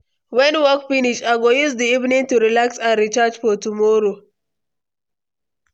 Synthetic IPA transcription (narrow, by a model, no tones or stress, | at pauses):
wɛnwɔkfiniʃaɡojuzdiivnɪ̃ŋtuɾilaksanɾit͡ʃad͡ʒfɔtumoɾo